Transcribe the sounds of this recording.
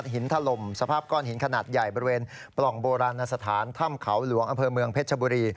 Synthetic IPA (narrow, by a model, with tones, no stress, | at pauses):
t̪̚ɦi˩˦nt̪ʰa˧lo˧msa˧pʰaː˥˩p̚kɔː˧nhi˩˦nkʰa˧naː˨˩t̪̚ja˨˩jbɔː˧ɾi˧weː˧n | plɔ˨˩ŋboː˧ɾaː˧nːa˧sa˧t̪ʰaː˩˦nt̪ʰa˥˩mkʰa˩˦wlu˩˦əŋʔa˧mpʰɤː˧mɯ˧əŋpʰeː˦˥˩t̪̚t͡ɕʰa˧buː˧ɾiː˧